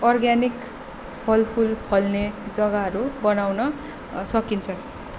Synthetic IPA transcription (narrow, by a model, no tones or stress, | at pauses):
ʌrɡanik | pʰʌlpʰulpʰʌlned͡zʌɡaɦʌɾubʌnawnʌ | sʌkint͡sʰʌ